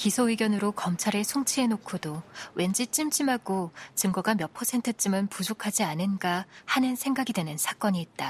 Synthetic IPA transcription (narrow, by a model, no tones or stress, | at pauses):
kisʰoiɡjʌnɯɾokʌmt͡ɕʰaɾesʰoŋt͡ɕʰie̞nokʰodowʔe̞nd͡ʑit͡ɕ͈imt͡ɕ͈imɦaɡot͡ɕɯmɡʌɡamjʌpʰʌsʰe̞ntʰɯt͡ɕ͈imɯnpud͡ʑokʰad͡ʑianɯnɡahanɯnsʰe̞ŋɡaɡidwe̞nɯnsʰak͈ʌɲiːt̚t͈a